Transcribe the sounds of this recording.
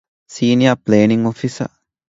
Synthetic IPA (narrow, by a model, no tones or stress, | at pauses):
siːnijapleːniŋofisɐ̰